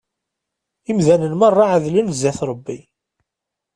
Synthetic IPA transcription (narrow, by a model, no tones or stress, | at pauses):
imðænənmɑrˤːɑʕaðlənzːæθɾˤəbːi